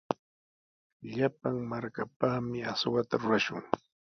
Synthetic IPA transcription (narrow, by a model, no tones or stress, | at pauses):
ʎapaŋmaɾkapaːmɪaswat̪aɾʊɾaʃʊŋ